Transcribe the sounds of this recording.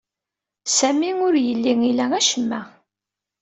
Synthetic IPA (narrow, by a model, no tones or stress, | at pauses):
sæmiʊɾjəlːiŋilææʃəmːæ